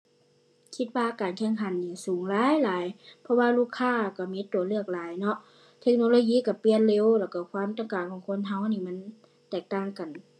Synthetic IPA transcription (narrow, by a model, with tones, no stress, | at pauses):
kʰi˧t̪̚waː˧kaː˨nkʰɛ˧˩˨ŋkʰa˨˦nːiː˧˩suː˨˦ŋlaː˧˦˨jlaː˨˦jpʰɔ˧waː˧luː˧˩kʰːaː˧˥˨ka˧˩miː˧˥t̪u˨ɐlɯ˧˩ək̚laː˨˦jnɔ˧ʔ | t̪ʰe˧k̚no˧loː˧˦jiː˧˨ka˧˩pli˧ə˨nle˧˨wlɛː˧˩wka˧˩kʰwaː˧˥˨mt̪ɔ˧˨ŋkaː˨˩ŋkʰɔː˨˦ŋkʰo˧˥˨nɦa˧˩wniː˧˨ma˧˥˨n | t̪ɛː˧˩k̚t̪aː˧˩ŋka˨˩n